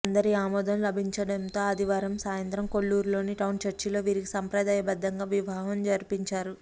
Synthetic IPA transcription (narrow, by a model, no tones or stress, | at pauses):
ɐnd̪ɐɾiaːmɔːd̪ɐnlɐbʱiɲt͡ʃɐɽɐnt̪o̞ːɐd̪iʋaːɾɐmsaːjɐnt̪ɾɐmko̞ɭːuːɾlo̞ːniʈɐwnt͡ʃɐɾt͡ʃilo̞ːʋiːɾiki̥sɐmpɾɐd̪aːjɐbɐd̪ːɐŋɡaːʋiʋaːɦɐmd͡ʒɐɾipiɲt͡ʃaːɾu